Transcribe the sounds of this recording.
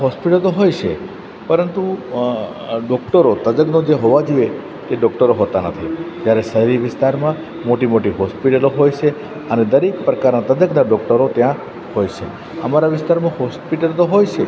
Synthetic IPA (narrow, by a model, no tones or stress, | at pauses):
ɦɔspiʈəlt̪oɦojt͡ʃʰe | pəɾənt̪u | ɖɔkʈəɾot̪əd͡ʒ̪əknod͡ʒeɦoʋad͡ʒie | t̪eɖɔkʈəɾoɦot̪anət̪ʰid͡ʒjaɾesəɦɾiʋɪst̪aɾmã | moʈimoʈiɦɔspiʈəloɦojt͡ʃʰe | əned̪əɾekpɾəkaɾnat̪əd͡ʒ̪əknaɖɔk̚ʈəɾot̪jã | hojt͡ʃʰḛ | əmaɾaʋɪst̪aɾmãɦɔspiʈəlt̪oɦojt͡ʃʰe